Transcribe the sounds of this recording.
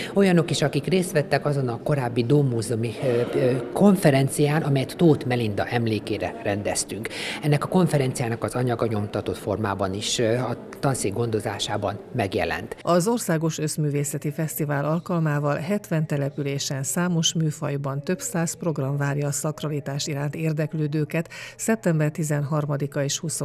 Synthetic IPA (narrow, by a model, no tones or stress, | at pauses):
o̞jɒno̞kiʃɒkikreːst̪ʋɛt̪ːɛkɒzo̞nɒko̞ɾaːbːid̪oːmuːzumi | ko̞ɱfɛɾɛnt̪sijaːnɒmɛjɛt̪ːoːt̪mɛlind̪ɒ̰ʔɛmleːkeːɾɛ̰rɛnd̪ɛst̪yŋkɛnːɛkɒko̞ɱfɛɾɛnt̪sijaːnɒkɒzɒɲɒɡɒɲo̞mt̪ɒt̪o̞t̪fo̞rmaːbɒniʃɒ | t̪ɒnsiɡo̞nd̪o̞za̰ːʃaːbɒnmɛɡjɛ̰lɛ̰nt̪ɒzo̞rsaːɡo̞ʃø̞zmyːveːsɛt̪ifɛst̪ivaːlɒlkɒlmaːvɒlɦɛt̪ʋɛnt̪ɛlɛpyleːʃɛnsaːmo̞ʃmyːfɒjbɒnt̪ø̞psaːspro̞ɡrɒɱvaːrjɒːsɒkrɒlit̪aːʃiɾaːnt̪eːrd̪ɛkløːd̪øːkɛt̪sɛp̚t̪ɛmbɛrt̪izɛnɦɒrmɒd̪ikɒeːʃhuso